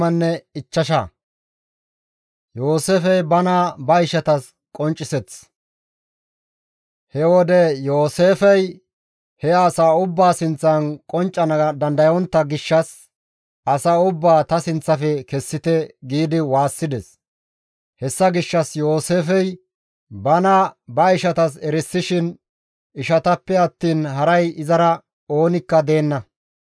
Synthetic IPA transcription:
ɐnːɛɪt͡ʃːɐʃa̰ | joːseːfɛjbɐnaːbɐɪʃɐt̪ɐs | kʼɔnt͡ʃʼːɪsɛt͡s | hɛwɔd̪ɛjoːseːfɛj | hɛaːsaːʊbːaːsɪnt͡sːɐnkʼɔnt͡ʃʼːɐnd̪ɐnd̪ɐjɔnt̪ːɐɡɪʃːɐs | ʔɐsaːʊbːaːt̪ɐsɪnt͡sːɐfɛkɛsːɪt̪ɛɡiːd̪ɪwaːsːɪd̪ɛs | hɛsːɐɡɪʃːɐsjo̞ːse̞ːfɛj | bɐnɐbɐɪʃɐt̪ɐs̬ɛɾɪsːɪʃɪn | ɪʃɐt̪ɐpːɛɐt̪ːiːnɦɐɾɐjɪzɐɾɐ | o̞ːnɪkːɐd̪e̞ːnːɐ

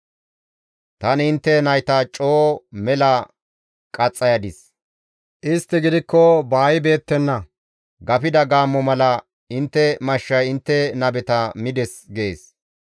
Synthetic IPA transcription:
t̪ɐnɪɪnt̪ːɛnɐjt̪ɐt͡ʃʼoːmɛlɐ | kʼɐt͡sʼːɐjɐd̪ɪs | ʔɪst̪ːɪɡɪd̪ɪkːɔbaːjɪbe̞ːt̪ːɛnːɐ | ɡɐpɪd̪ɐɡaːmːɔmɐlɐ | ɪnt̪ːɛmɐʃːɐjɪnt̪ːɛnɐbɛt̪ɐmɪd̪ɛsɡe̞ːs

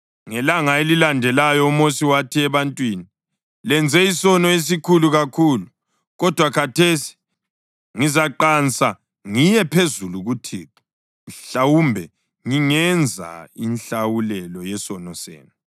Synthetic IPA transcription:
ŋɛlaŋaelilandʱɛlajɔumosiwatʰiɛβantʼwini | lɛnd͡zʱɛisɔnɔes̬ikʰuluɣakʰuːlu | ɣɔd̥ʱwakʰatʰesi̥ | ŋizaǃant͡sʼa | ŋijɛpʰezuluɣutʰiːǁu̥ | nɬawumbʱɛ | ŋiŋɛnd͡zʱa̰inɬawulɛlɔjɛsɔnɔsɛ̰ːnu

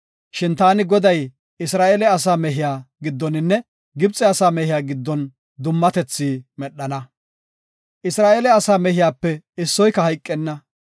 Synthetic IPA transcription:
ʃɪnt̪aːnɪɡɔd̪ɐj | ɪsɾaːʔeːlɛɐs̬aːmɛɦɪjaːɡɪd̪ːɔnɪnːɛ | ɡɪbt͡sʼːɛɐsaːmɛhɪjaːɡɪd̪ːɔn | d̪ʊmːɐt̪ɛt͡sːiːmɛɗːɐnɐ | ʔɪsɾaːʔelɛɐsaːmɛhɪjaːpːɛɪsːɔjkːɐhɐjkʼːɛnːɐ

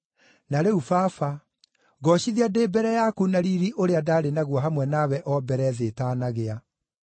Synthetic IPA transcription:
naɾeufaːfa | ɣɔɕiðiadeːbɛɾɛjakunaɾiɾiʔoɾeadaɾenaɣwɔɦamwɛnawɛʔɔbɛɾɛðetaːnaɣea

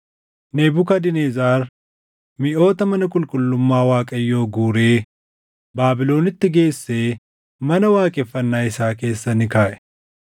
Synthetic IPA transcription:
neːbʊkɐd̪ɪnezaːɾ | mɪʔo̞ːt̪ɐmɐnɐkʼʊlkʼʊlːʊmːaːwaːkʼɐjːo̞ːɡuːɾe̞ː | baːbɪlo̞ːnɪt̪ːɪɡe̞ːsːeː | mɐnɐwaːkʼɛfːɐnːaːɪsaːke̞ːsːɐnːɪkaːʔɛ̥

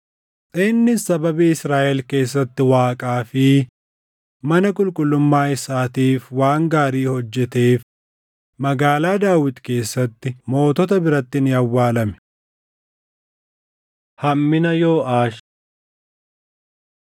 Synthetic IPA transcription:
sʼɪnːɪsɐbɐbiːɪsɾaːʔɛlke̞ːsːɐt̪ːɪwaːkʼaːfɪ | mɐnɐkʼʊlkʼʊlːʊmːaːɪsaːt̪iːfwaːŋɡaːɾiːhɔd͡ʒːɛt̪e̞ːf | mɐɡaːlaːd̪aːwɪd̪ke̞ːsːɐt̪ːɪmo̞ːt̪ɔt̪ɐbɪɾɐt̪ːɪnɪɐwːaːlɐmɛ̥ | hɐmːɪnɐjoːʔaːʃ

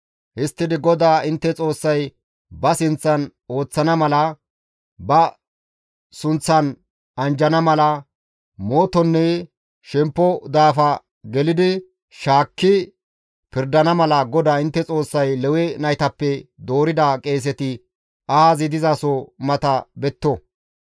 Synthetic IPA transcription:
hɪst̪ːɪd̪ɪɡɔd̪aːɪnt̪ːɛt͡sʼo̞ːsːɐj | bɐsɪnt͡sːɐno̞ːt͡sːɐnɐmɐlɐ | bɐ | sʊnt͡sːɐn | ɐnd͡ʒɐnɐmɐlɐ | moːt̪ɔnːɛ | ʃɛmpːɔd̪aːfɐ | ɡɛlɪd̪ɪ | ʃaːkːɪ | pɪɾd̪ɐnɐmɐlɐɡɔd̪aːɪnt̪ːɛt͡sʼo̞ːsːɐjlɛwɛnɐjt̪ɐpːɛd̪o̞ːɾɪd̪akʼe̞ːs̬ɛt̪ɪ | ɐhaːzɪd̪ɪzasɔmɐt̪ɐbɛt̪ːɔ

